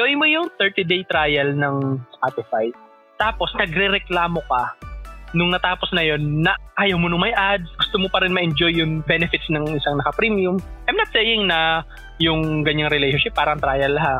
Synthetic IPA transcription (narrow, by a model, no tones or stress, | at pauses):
ɡɐwɪnmojʊŋt̪ɛɹt̪id̪ejt̪ɾaːjɐlnɐŋspat̪ɪfajt̪̚ | t̪aːpo̞snɐɡɾɛɾɛklaːmo̞kɐ | nʊŋnɐt̪aːpo̞snɐjo̞nːɐʔaːjɐwmonʊŋmɐjʔad̪̚sɡʊst̪omopɐɾɪnmɐʔɛnd͡ʒo̞jːʊŋbɛnɛfɪt̪snɐŋʔɪsaŋnɐkɐpɾimjʊmʔajmnɐt̪̚sejɪŋnɐ | jʊŋɡɐɲːaŋɾɪlɛjʃonʃɪpːaːɾɐŋt̪ɾaːjɐlːɐɦa